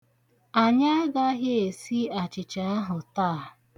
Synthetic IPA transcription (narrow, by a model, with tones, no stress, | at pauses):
a˨ɲa˦ɡa˦ɦe˦e˨si˦a˨t͡ʃɪ˨t͡ʃa˨a˦ɦʊ˨taː˦˨